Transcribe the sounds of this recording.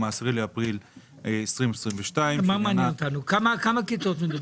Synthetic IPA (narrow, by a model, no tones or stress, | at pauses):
maːsʁileapʁil | esʁimesʁimveʃtaimmamaːnnot̪anukamakamakit͡sot̪mid̪u